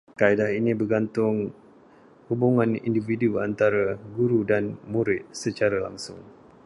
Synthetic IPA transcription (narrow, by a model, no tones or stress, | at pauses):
kaidahinĩbəɡant̪ʊŋ | hubuŋãnḭndividuant̪aɾaɡuɾudanmuɾɪt̪̚sət͡ʃaɾala̰ŋsʊŋ